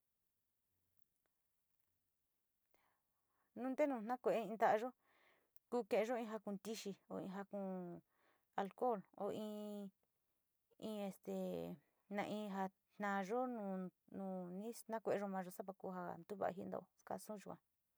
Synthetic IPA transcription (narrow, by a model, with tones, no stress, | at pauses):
nũ˦nd̪e˦nũː˧˨n̥ã˦kʷe˧ʔe˦ĩ˧nd̪a˦a˧ʒo˦ | ku˦kẽ˧ʔẽ˧ʒo˦ĩ˧ɦa˧kũ˧˨t̪i˦ʃi˧o̰˧ḭ̃˧ɦa˧kũ˧˨ | a˧lko˦˨lo̰˧ĩː˧ | ĩ˧e˧st̪e˨ | nã̰˧ʔĩ˧ɦa˧ | n̥nã˧ʒo˦nũ˧nũ˧˨nĩ˦nã˦kʷe˧ʒo˧mã˧ʒo˧sa˦pa˧kuː˧ɦa˧nd̪u˦βa̰˨˧ɦi˦˧nd̪o̰˧o˧ska̰˧sũ˦˧ʒu˧kʷã˧˨